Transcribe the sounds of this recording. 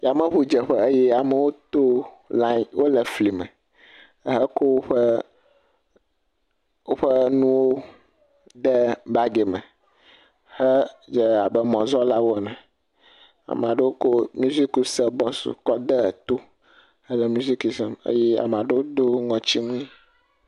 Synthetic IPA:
ja˨mə̃˦ɸu˦d͡ʒɛ˨ɸɛ˦ə˦jɛ˦a˨mə˨wo˦t̪o˦ | la˦˨wo˦lə˨fli˨mɛ̰̃˨˦ | ɦə˦ko˦wo˦ɸə˦ | wo˦ɸə˦nũ˦wo˦ | ɖɛ˦ba˦ɡe˨mɛ̰̃˨ | hə˦d͡ʒe˨a˨bɛ˦mɔ̃˨zɔ˦la˦wo˦ɛ˨nã˨ | a̰˨m˨a˨ɖe˦wo˦ko˦mu˦zi˦ku˨sə˨bɔ̃˦sṵ˨kɔ˦d̪ɛ˦˨t̪o˦ | hə˦lə˨mu˦zi˦ku˨sɛ˦mə̰˦jɛ˦a̰˨m˨a˨ɖe˦wo˦d̪o˦ŋɔ̃˨t͡ɕi˦ŋũ˦ĩ˦

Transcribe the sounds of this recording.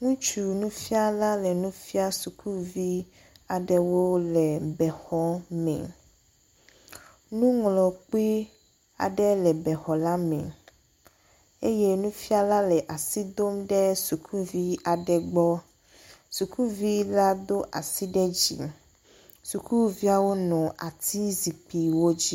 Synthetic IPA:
ŋũ˦t͡ʃu˨nũ˦fi˦a˦la˦lɛ˨nũ˦fi˦a˦su˨ku˦vi˦ | a˨ɖɛ˨wo˦lɛ˨bɛ˨xɔ˦mɛ̰˨ | nũ˦ŋlɔ̃˨k͡pi˦ | a̰˨ɖɛ˦lɛ˨bɛ˨xɔ˨la˦mɛ̰̃˨ | e˦je˦nũ˦fi˦a˦la˦lɛ˨ʔa˨si˦d̪o˦mɖɛ˦su˨kʰu˦vi˦a˨ɖɛ˨ɡ͡bɔ˦ | su˨kʰu˦vi˦la˦d̪o˦ʔa˨si˦ɖɛ˦d͡ʑḭ˨ | su˨ku˦vi˦a˦wo˦nɔ̃˨ʔa̰˨t̪ʰi˦zi˨k͡pi˨wo˦d͡ʑi˦

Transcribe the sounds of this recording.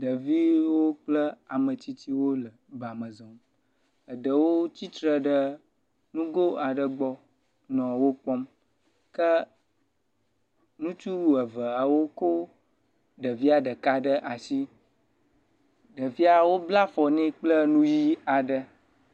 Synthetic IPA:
ɖə˨vi˦wo˦k͡plə˦a˨mə˨t͡ɕ̪i˦t̪i˦wo˦lə˨ba˨mə̃˨zɔ˨m | ə˨ɖə˨wo˦t͡ɕi˦t̪ɾə˨ɖə˦ | nũ˦ɡo˦a˨ɖə˨ɡ͡bɔ˦ | nɔ̃˨wo˦k͡pɔ˦m | kə˦ | nũ˦t͡ʃu˦˨ə˨və˨a˨wo˦ko˦ | ɖə˨vi˦a˨ɖə˨ka˦ɖə˦ʔa˨si˦ | ɖə˨vi˦a˨wo˦bla˦fɔ˨nɛ̃˦k͡plə˦nũ˦ji˦a˨ɖə˦

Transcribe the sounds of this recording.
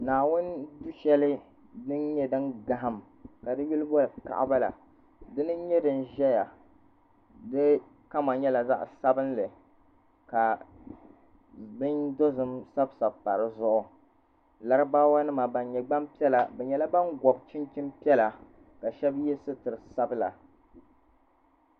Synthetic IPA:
naː˨wʊ˦n˦du˦ʃɛ˦lɨ˦ | dɨ˦nɲɛ˦dɨ˦nɡa˨ɦa˦m | ka˨dɨ˦ju˦lɨ˦bo˦lɨ˨ka̰˨ʔa̰˦ba˦la̰˨ | dɨ˦nɨ˦ɲɛ˦dɨ˨n˨ʒɛ˦ja˨ | dɨ˦ | ka˦ma˨ɲɛ˦la˨za˦ʔsa˦bɨ˦nlɨ˨ | ka˨ | bɨ˦ndo˦zɨ˨msa˦bsa˨bpa˨ɾɨ˦zʊ˦ʔʊ˨ | la˨ɾɨ˦baː˦wa˦nɨ˦ma˨ba˨nɲɛ˨ɡ͡ba˦mpi˦ɛ˦la˨bɛ˨ɲɛ˦la˦ba˦nɡʷɔ˨b̚t͡ʃɪ˦nt͡ʃɪ˦mpi˦ɛ˦la˨ | ka˨ʃɛ˦bjɛ˦sɨ˦tɨ˨ɾɨ˨sa˦bɨ˦la̰˨

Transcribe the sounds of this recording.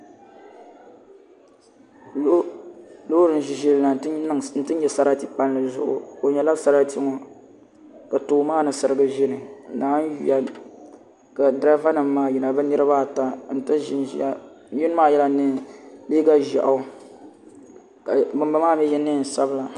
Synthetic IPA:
lo˦ɾɨ˦n˨ʒi˨ʒɪ˦lla˨˦ɨ˦ŋn̩˦tɨ˦ɲɛ˨sa˦ɾa˦ti˦pa˦nlɨ˨zʊ̰˦ʔʊ̰˨o˨ɲɛ˨la˦sa˦ɾa˦ti˦ŋɔ˨ | ka˨toː˨maː˦nɨ˨sɨ˨ɾɨ˦ɡɨ˦ʒɪ˦nɨ˨˦naː˨˦n˦jḭ˦a˨ | ka˨dɾa˦va˦nɨ˨mː˦aː˦jɛ˨na˨bɨ˦nɨ˦ɾɨ˦ba˦˨ta˨n̩˨tɨ˦ʒn˦˨˦ | ju˦n˦maː˦˨jɛ˦la˦nɨ˦˨leː˦ɡa˦ʒa̰˨ʔa˦ | ka˨bɨ˨mba˦maː˦˨mɛ˦jɛ˦nɨ˦˨n̩˨sa˦bɨ˨˦la˨

